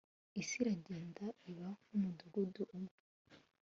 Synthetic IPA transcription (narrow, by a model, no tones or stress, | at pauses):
isiɾaɟeːndaiβahumuduɡuduʔumŋe